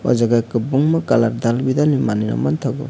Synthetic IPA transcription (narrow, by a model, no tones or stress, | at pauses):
ɔ̰zaɡajkɯbuŋmakalaɾd̪albidanimanina̰mant̪ʰaɡɔ̰